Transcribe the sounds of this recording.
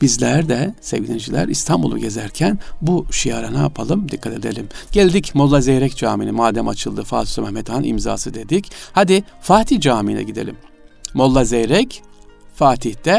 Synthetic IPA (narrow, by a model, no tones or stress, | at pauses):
bizlʲæɾd̪ɛsḛvɟilʲind͡ʒilʲæ̰ɾist̪ʰambulˠṵɟe̞zæɾcʰænbuʃijaɾanaa̰pʰalˠɯmd̪ikʰːat̪ʰe̞d̪e̞lʲimɟɛlʲd̪icmolˠːazejɾɛcd͡ʒaːminimaːd̪æmat͡ʃʰɯlˠd̪ɯfaːt̪ʰu̥sumɛhmɛt̪hanʔḭmza̰ːsɯd̪e̞d̪ichad̪ifaːt̪ʰihd͡ʒaːminɛ̰ɟid̪e̞̰lʲimː | o̞lˠːazejɾɛcfaːt̪ʰiht̪ɛ